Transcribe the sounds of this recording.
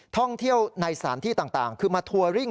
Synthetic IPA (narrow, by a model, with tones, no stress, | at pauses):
t̪ʰɔ˥˩ŋt̪ʰi˥˩əwna˧jsaː˩˦nt̪ʰiː˥˩t̪aː˨˩ŋt̪aː˨˩ŋkʰɯː˧maː˧t̪ʰu˧ɐɾi˥˩ŋ